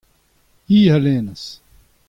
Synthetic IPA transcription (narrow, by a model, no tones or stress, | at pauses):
iːɦɐleːnɐs